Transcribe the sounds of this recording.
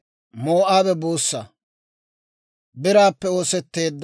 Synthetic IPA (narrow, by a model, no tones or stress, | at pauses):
moːʔaːbɛboːsːɐ | bɪɾaːpːɛoːsɛt̪ːe̞ːd̪ː